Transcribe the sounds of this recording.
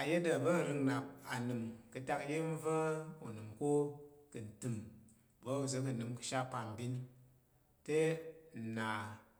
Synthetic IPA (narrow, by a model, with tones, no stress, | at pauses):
a˨je˦də˨bə˦˨ɾɨ˧ŋna˨p̚a˨nɨ˨mkɨ˧ta˦kje˦n˦və˦ṵ˨nɨ˨mko˦kɨ˨n̩˨tɨ˨m | bə˦u˨s̬ə˧˦k̬ɨ˨nɨ˨mkɨ̥˧ʃa˦pa˨m˨bi˦n | te˦˨na˨